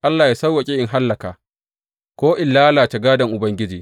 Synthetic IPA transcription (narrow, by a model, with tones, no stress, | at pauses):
ʔa˦lːaː˨ja˦sɐ˦wːa˨kʲʼɪ˦ʔɪ˨ŋɦa˦lːɐ˨ka̰ː˨ | kʷoː˦ʔɪ˦˨nlaː˦laː˨t͡ʃɐ˨ɡaː˦dɐ˨ŋʔʊ˨bɐ˦ŋɡʲɪ˦d͡ʒiː˨